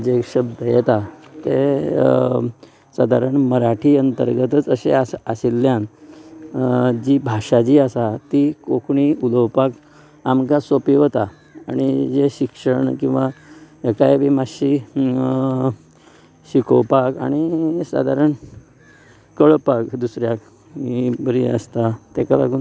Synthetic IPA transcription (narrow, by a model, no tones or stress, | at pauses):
d͡ʑekɕəb̚d̪ʱəjet̪at̪ḛ | sad̪ʱaɾəɳməɾaʈʰiːənt̪ə̰ɾɡət̪ət͡səɕeaasilːjãn | d͡ʑibʱaʂad͡ʑiasat̪ikokʰɳiuləʋpak | amkasopiʋt̪a | aɽ̃id͡zeɕikʂəɳkĩw̃ʋajekajbimaɕi | ɕikʰowpaka̰ɽ̃isa̰d̪ʱaɾəɳ | kəɭpakd̪usɾjak | ibəɾiə̰st̪at̪ekala̰ɡuːn